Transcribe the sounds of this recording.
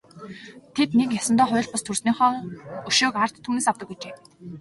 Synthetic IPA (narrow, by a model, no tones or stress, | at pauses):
t̪ʰet̪nek̬jasə̆nt̪ɔːχʊ̟j̆ɮt̪past̪ʰursniːχɔːɵʃoːkar̥t̪ʰːuːneːsawt̪ə̆kujt͡ɕeː